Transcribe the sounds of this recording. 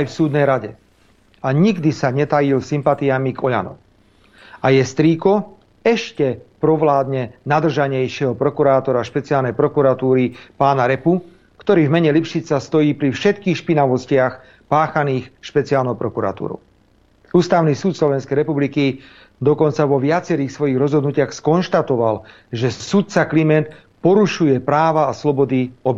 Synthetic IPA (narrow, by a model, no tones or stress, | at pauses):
ajfsuːd̪nɛjɾaɟɛ̰ | aɲiɡd̪isaɲɛt̪ajilsimpat̪iamiɡɔʎa̰nɔ̰m | ajɛst̪ɾiːkɔ | ɛʃcɛpɾɔʋlaːd̪ɲɛnad̪r̩ʒaɲɛjʃɪɛɦɔpɾɔkuɾaːt̪ɔɾaʃpɛt͡siaːlnɛjpɾɔkuɾat̪uːɾipaːnaɾɛpu | kt̪ɔɾiːvmɛɲɛlipʃit͡sast̪ɔjiːpɾifʃɛt̪kiːxʃpinaʋɔscɪax | paːxaniːxʃpɛt͡siaːlnɔʊpɾɔkuɾa̰t̪ṵːɾɔ̰ʊ | uːst̪aʊnisuːt̪slɔʋɛnskɛjɾɛpubliki | d̪ɔkɔnt͡saʋɔʋɪat͡sɛɾiːxsʋɔjiɣɾɔzɦɔd̪nucɪaxskɔnʃt̪at̪ɔʋal | ʒɛsut̪̚t͡saklimɛnt̪ | pɔɾuʃujɛpɾaːʋaːslɔbɔd̪iɔb